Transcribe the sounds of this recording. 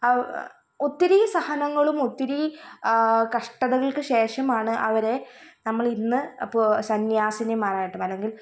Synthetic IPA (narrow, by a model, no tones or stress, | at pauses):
ot̪ːiɾisɐhɐnɐŋːɐɭumot̪ːiɾi | kɐʂʈɐðɐɣɐɭkɨɕe̞ːʂɐmaːɳɨʔɐʋɐɾe̞nɐmːɐɭinːɨɐposɐnjaːsɐnɐmaːraːjiʈːumɐlːe̞ŋɡil